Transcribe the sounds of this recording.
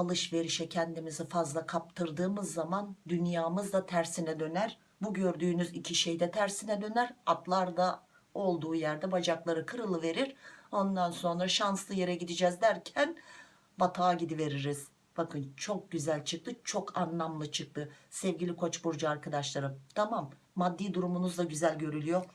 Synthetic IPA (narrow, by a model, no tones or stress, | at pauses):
alˠɯʃve̞ɾiʃɛcʰɛnd̪imizifazlˠakʰap̚t̪ʰɯɾd̪ɯːmɯzːamand̪ynjaːmɯzd̪at̪ʰæɾsinɛd̪ø̞næɾ | buɟø̞ɾd̪yːnyzicʰiʃejd̪ɛt̪ʰæɾsinɛd̪ø̞næɾat̪lˠaɾd̪a | o̞lˠd̪uːjæɾd̪ɛbad͡ʒaklˠaɾɯkʰɯɾɯlˠɯve̞ɾiɾ̥o̞nd̪anso̞nɾaʃanslˠɯje̞ɾɛɟid̪id͡ʒɛzd̪æɾcʰæn | bat̪ʰaːɟid̪ive̞ɾiɾiz̥ | b̥akʰɯnt͡ʃʰo̞k̚ɟyzælʲt͡ʃʰɯk̚t̪ʰɯt͡ʃʰo̞kʰanlˠamlˠɯt͡ʃʰɯk̚t̪ʰɯsɛvɟilʲikʰo̞t͡ʃbuɾd͡ʒuaɾkad̪aʃlˠaɾɯmt̪ʰamamː | ad̪ːiːd̪uɾumunuzd̪aɟyzælʲɟø̞ɾylʲyjo̞